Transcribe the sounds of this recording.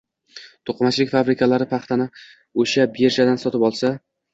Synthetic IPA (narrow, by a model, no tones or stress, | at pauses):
t̪ʰoqmat͡ʃʰlɪkʲfabɾɪkʰʲalaɾɪpʰɑχt̪ʰanɪ | oʃabeɾʒad̪ansɒt̪ɪpɒlˠsa